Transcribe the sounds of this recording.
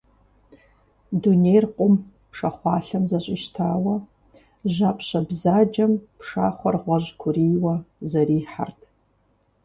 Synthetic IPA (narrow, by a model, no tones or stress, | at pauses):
dunejrqʷʼʊm | pʰʂɐχʷɑːɬɐmzɐɕʼɪʃtʰaːwɐ | ʒapʰɕɐbzaːd͡ʒɐmpʰʂa̰ːχʷɐrʁʷɔʑkʷʰʊriːwɐzɐriːħa̰rtʰ